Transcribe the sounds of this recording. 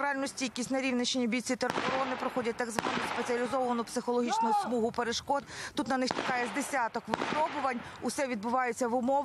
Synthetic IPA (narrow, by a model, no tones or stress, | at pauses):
ɾɑlʲnɔsʲtʲijɐkʲisʲnɐɾʲiwnʲɐt͡ʃɪnʲibʲijt͡sʲit̪erɔnɪpɾɔxɔdʲɐt̚ʲt̪ɐɡzʋɑnʊspet͡sʲiɐlʲizɔʋɐnʊpsɪxɔlˠɔɦʲit͡ʃnʊʊsmuɦʊpeɾeʃkɔd̪t̪ut̪nɐnɪxt͡ʃɐ̥kɑjɛzd̪esʲat̪ɔkʋɪppɾɔbʊʋɐnʲ | ʊsɛʋʲid̪̚bʊʋɑjet͡sʲːɐʋʊmɔʋ